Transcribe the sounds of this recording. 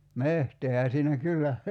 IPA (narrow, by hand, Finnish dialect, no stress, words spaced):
mehteːhæ siːnæ kylːæ